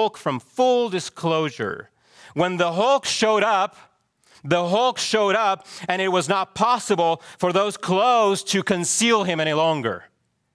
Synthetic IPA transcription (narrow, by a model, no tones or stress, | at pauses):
lˠkfɹʌ̃ɱfʊlˠdɨskʰloʊʒə̰˞ | wə̃nðəɦɔlˠkʃoʊɾʌp̚ | ðəɦɔlˠkʃoʊɾʌpɨ̃ñɨt̚wʌznət̚pʰɑsəbl̩ˠfə˞ðoʊz̥kʰl̥oʊz̥tʰɨkʰɨ̃nsilˠɪ̃mɛñilɔ̃ŋɡə̰˞